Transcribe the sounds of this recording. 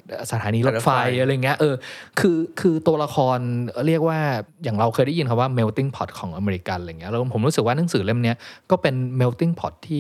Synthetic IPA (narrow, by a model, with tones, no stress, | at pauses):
ʔːsa˧t̪ʰaː˩˦niː˧lo˦˥fa˧ja˧ɾa˧ja˨˩ŋːi˦˥ɐʔɤː˧kʰɯː˧kʰɯː˧t̪u˧ɐla˧kʰɔː˧n˧ɾi˥˩ək̚waː˥˩jaː˨˩ŋɾa˧wkʰɤː˧jda˥˩ji˧nkʰa˥˩waː˥˩me˧wt̪i˥˩ŋpʰɔ˨˩t̪̚kʰɔː˩˦ŋʔa˧meː˧ɾi˧ka˧la˧jŋːi˦˥˧ɾmpʰo˩˦mɾuː˦˥sɯ˨˩k̚wa˥˩na˩˥˦ŋsɯː˩˦le˦˥˩mni˦˥ɐkɔː˥˩pe˧nme˧wt̪i˥˩ŋpʰɔ̰˨˩t̪ʰːiː˥˩